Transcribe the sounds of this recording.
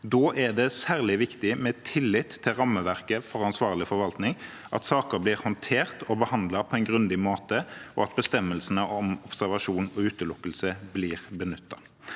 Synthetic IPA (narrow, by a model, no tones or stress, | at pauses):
d̪oːʔæd̪ɛsæːʁlɪʋɪkt̪ɪmɛːt̪ʰɪlːɪt̪ʰːɪlʁɑmːəʋæʁkəfɔɾɑnsʋɑːʁlɪfɔɾʋɑlt̪nɪŋ | ʔɑ̰t̪sɑːkəbliːʁhɔnt̪ʰeːʁt̪ʰɔbəhɑnd̪lɑpʰɔɛɪnɡʁʉnd̪ɪmoːt̪əɔ̰ɑt̪̚bəst̪ɛmːəlsənəʔɔmɔpsæɾʋɑʂuːnɔʉːt̪əlʊkːəlsəbliːʁbənʏt̪ːɑ